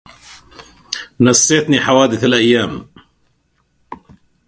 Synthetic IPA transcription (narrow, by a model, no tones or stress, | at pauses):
nasːeːt̪niːħawaːd̪ɪθalʔajːaːm